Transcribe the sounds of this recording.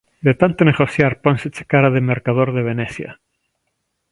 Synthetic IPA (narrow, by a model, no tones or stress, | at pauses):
d̪et̪ant̪oneɣoθjaɾponset͡ʃe̥kaɾaðemeɾkaðoɾðeβ̞eneθja̰